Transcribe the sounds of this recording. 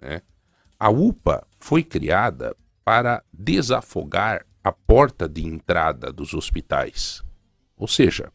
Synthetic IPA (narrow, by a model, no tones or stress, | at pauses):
nɛ̰ | ɐupɐ̰ | fojkɾḭad̪ɐ̰ | paɾɐd̪ezafoɡaɾ | ɐpɔɾt̪ɐd̪ɪẽnt̪ɾad̪ɐ̰d̪ʊzospit̪a̰js | owseʒɐ̰